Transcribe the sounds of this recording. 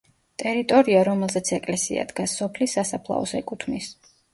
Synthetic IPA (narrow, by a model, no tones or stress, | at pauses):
t̪ʼɛɾit̪ʼɔɾiaɾɔmɛlˠzɛt̪sʰɛkʼlɛsḭa̰d̪ɡasːɔpʰlisːasapʰlˠa̰ɔsɛkʼut̪ʰmis